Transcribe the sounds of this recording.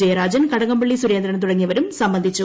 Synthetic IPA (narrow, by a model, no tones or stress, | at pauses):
ejɐɾaːd͡ʑɐnkɐɽɐŋɐmbeɭːisuɾe̞ːnd̪ɾɐɳɐmt̪uɽɐŋːijɐʋɐɾumsɐmbɐnd̪ʱit͡ɕːu